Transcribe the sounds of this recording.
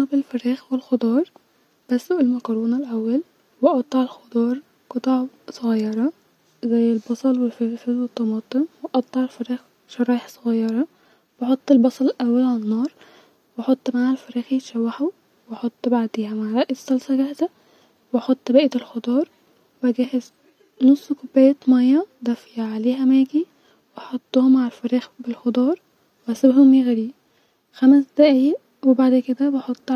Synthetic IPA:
ɑbelfeɾiːxwelxod̪ˤɑːɾˤ | b̥æsːoʔelmækɑɾˤoːnælʔæwːæl | weʔɑt̪ˤːɑʕelxod̪ˤɑːɾˤ | kɑt̪ˤɑʕsˤoɣɑjːɑɾˤɑ | zæjːelbɑsˤɑlwelfeɾfezwet̪ˤːɑmɑːt̪ˤemweʔɑt̪ˤːɑʕelfɑɾiːx | ʃɑɾˤɑːʔeħsˤoɣɑjːɑɾˤɑ | weħot̪ˤːelbɑsˤɑlelʔæwːælʕalænːɑːɾˤ | weħot̪ˤːmaʕhælfɑɾiːxjet̪ʃæwːaħu | weħot̪ˤːbaʕd̪eːhæmaʕɾˤɑʔjsɑlsɑɡæhzæ | weħot̪ˤːbæːʔet̪elxod̪ˤɑːɾˤ | wæɡæːhez | nosˤːkobːæjæt̪mæjːɑd̪æfjaʕaleːɦæmæːɡi | weħot̪ˤːohomʕalfæɾiːxbelxod̪ˤɑːɾˤ | wæsæbhomjiɣæɾiː | xæmæsd̪æʔæj | webaʕd̪ked̪æbeħot̪ˤː

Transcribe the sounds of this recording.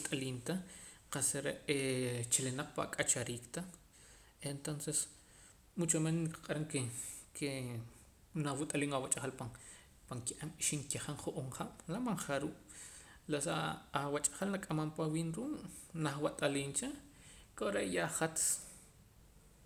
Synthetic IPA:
t̪ʼaliːnt̪a | qasɾeʔet͡ʃilenaq͡χpa̰kʼat͡ʃaɾiːkt̪a | ent̪onses | mut͡ʃamenniqḁqʼaɾaŋkekʰe | nawut̪ʼaliːŋawat͡ʃʼaχalpa | paŋkiʔamʃiŋkiχaɴχuʔoɴχaɓ̥lamaɴχaɾuːʔ | lasaːwat͡ʃʼḁχalnakʼamampawiːnɾuːʔnaχwat̪ʼaliːnt͡ʃa | kʼoɾeʔjaχat͡s

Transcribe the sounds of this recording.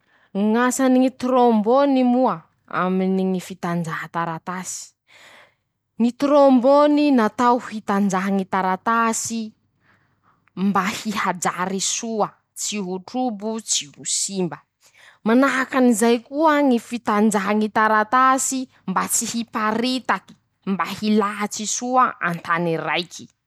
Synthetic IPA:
ŋasaniŋit̪ɾombonimuə | a̰miniŋifit̪and͡ʒaɦat̪aɾat̪asi̥ | ŋit̪ɾomboninat̪awfit̪and͡ʒaɦaŋit̪aɾat̪asi | mbahihad͡ʒaɾisuə | t͡siɦuʈ͡ʂubut͡sihusimbə | manaɦakanizajkuəŋifit̪and͡ʒaɦaŋit̪aɾat̪asi | mbat͡sihipaɾit̪aki̥ | mbahilaɦat͡sisuaa̰nt̪anirajkʰi̥

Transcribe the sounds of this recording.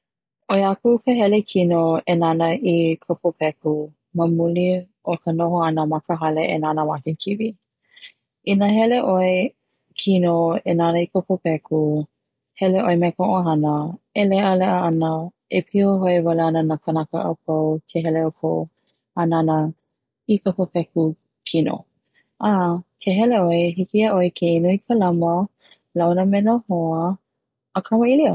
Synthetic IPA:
oeakukəɦɛlekʰinoenanəʔikʰəpʰopʰɛku | məmuli | okʰənoɦoɐnəmakəɦɐleenanəwakekʰivi | inəɦɛleʔoe | kʰinoenanəikʰəpopɛkʰu | hɛleʔoemɛkoʔoɦɐnəelɛʔəlɛʔəɐnə | epʰioɦoevaleanənakənakə̰ʔə̰p̚ʰawkʰeɦɛleopʰow | ananə | ikəpəpɛku | kʰino̰ | ʔakʰeɦɛleoeɦikiaʔoekʰeinoikʰəlɐmə | lawnəmɛnohoə | əkʰɐməiliə

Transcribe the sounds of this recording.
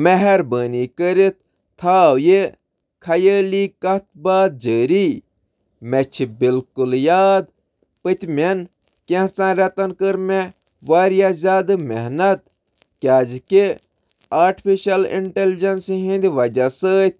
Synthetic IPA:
mɛɦɛɾbəːniːkəɾit̪̚ːʰ | aːwje | kʰɐjəːliːkɐt̪baːd̪̚d͡ʒəːɾi | mɛt͡ʃʰibilkuljaːd̪ | pɨt̪ʲmʲɛn | kʲẽɦt͡sãːɾʲɐt̪ɐnkəɾmẽ | ʋaːɾjazʲaːd̪ɨmɛɦnɐt̪̚ | kʲjaːd͡ʒiki | aːɾʈpʰiʃɐlḭɳʈeld͡ʒɐnsɦĩnd̪ʲiʋɐd͡ʒasəːt̪̚ʲ

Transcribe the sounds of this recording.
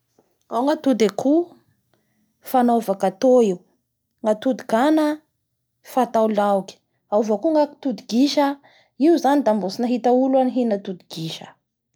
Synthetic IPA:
awŋat̪ud̪ekʰu | fanovakat̪oiw | ŋat̪ud̪ikanə | fat̪awlawki̥ | auvakuŋaki̥t̪ud̪iɡiʃə | iuzanid̪ambusinaɦit̪aulaniɦinat̪ud̪iɡ̥iʃə

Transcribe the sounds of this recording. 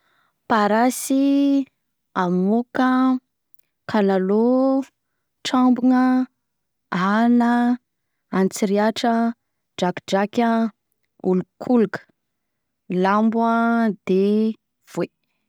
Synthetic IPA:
paɾasi | amukə | kʰanalo | ʈ͡ʂambuŋə | anəː | nt͡siɾiaʈ͡ʂə | d͡ʒakid͡ʒakʲə | ulukʰulukə̥ | lambwəd̪̥e | v̥we

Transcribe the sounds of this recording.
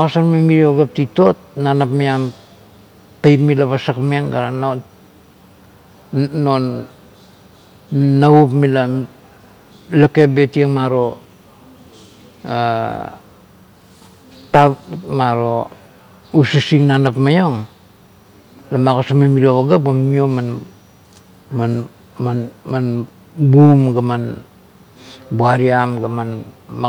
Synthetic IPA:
makosanmemiɾioɡap̚tito̞t̚nanapmiam | tajtmilaβasakmeŋɡaɾano | on | aupmila | lake̞be̞tieŋmaɾo̞ | a | tamaɾo | usisiŋnanapmajoŋ | lamakosamamiɾiooɡap̚ɡammioman | man | manman | bumɡaman | buaɾiamɡamanma

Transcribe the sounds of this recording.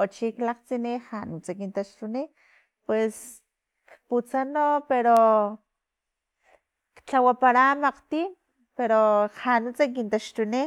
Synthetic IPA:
ot͡ʃiklaqt͡sinihanut͡sakint̪aʃt̪uni | pwes | kput͡sanopeɾo | kt͡ɬawapaɾamaqt̪in | peɾohanut͡sak̬int̪aʃt̪uni

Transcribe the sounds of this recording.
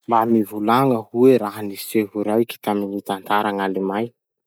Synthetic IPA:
mbamivulaŋəhueɾaɦaniseɦuɾajki̥t̪aminit̪ant̪aɾaŋalimaj

